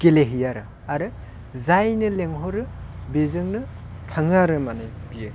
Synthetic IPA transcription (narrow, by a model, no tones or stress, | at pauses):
keleɦijaɾɯ | aɾɯ | zajnɯleŋɦɔɾɯ | bizɯŋnɯ | tʰaŋaɾɯmanajbijɯ